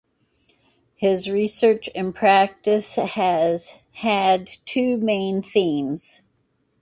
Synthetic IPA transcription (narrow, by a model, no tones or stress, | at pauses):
hɪzɹisɜ˞t͡ʃɨ̃npʰɹ̥æk̚tɨsɨz̥ | hɨd̚tʰʉmẽɪ̃nθĩmz̥